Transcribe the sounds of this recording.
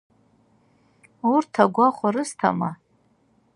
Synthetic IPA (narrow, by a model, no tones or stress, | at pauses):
urtʰaɡʷaχʷaɾɨstʰa̰ma